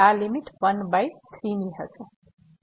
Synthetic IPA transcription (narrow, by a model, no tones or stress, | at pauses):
alimiʈpʌnbajt̪ʰriniɦʌt͡sʰu